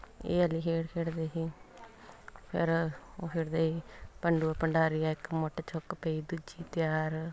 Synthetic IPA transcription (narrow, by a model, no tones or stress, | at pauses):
ḛːəliːɦeːɽkʰeːɽd̪eːɦiː | pʰɪ̰ɾoːpʰɪɾd̪eːiːpəɳɖuːpəɳɖaːɾijaːɪkmʊʈːt͡ʃʰɔkːpeːiːd̪ud͡ʒiːt̪ɪjaːɾ